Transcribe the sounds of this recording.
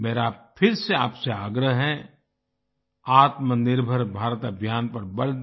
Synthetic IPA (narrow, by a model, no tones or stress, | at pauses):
meːɾaːpʰɪɾseaːpseaːɡɾəɦɦɛ̃ | aːt̪mənɪɾbʱəɾbʱaːɾət̪əbʱjaːnpɐɾbɐɽ